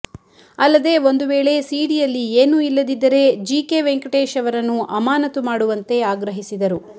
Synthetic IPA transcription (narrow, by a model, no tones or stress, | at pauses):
ɐlːɐd̪e̞o̞nd̪uʋeːɭe̞siːɽijɐlːieːnuilːɐd̪id̪ːɐɾe̞d͡ʒiːke̞ʋeŋkɐʈeːʃɐʋɐɾɐnːuʔɐmaːnɐt̪umaːɽuʋɐnt̪e̞aːɡɾɐɦisid̪ɐɾu